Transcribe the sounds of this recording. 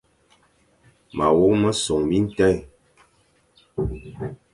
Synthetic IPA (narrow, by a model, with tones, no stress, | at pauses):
ma˨wo˦mə˦sɔ˨ŋbi˦n̩˦tɛ˦˨